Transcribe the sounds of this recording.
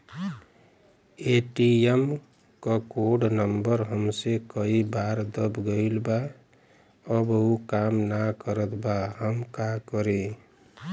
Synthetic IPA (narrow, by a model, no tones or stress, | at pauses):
eʈiem | kəkoɖnəmbəɾɦəmsekəibaɾd̪əbɡəɪlba | əbukamnakəɾət̪ʰbaɦəmkakəɾe